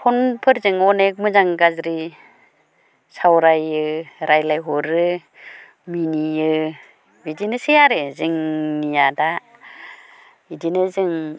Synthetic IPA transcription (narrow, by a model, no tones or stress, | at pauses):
pʰɔnpʰɯɾzɯŋɔnek̚mɯzaŋɡazɾi | sawɾajɯɾajlajɦɔɾɯ | miniɯ | bidinɯsejaɾɯzɯŋnijada | idinɯzɯŋ